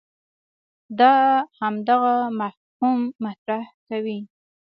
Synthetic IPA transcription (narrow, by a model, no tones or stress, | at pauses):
d̪ɑhamd̪aɣamaf | humːat̪ɾahkawi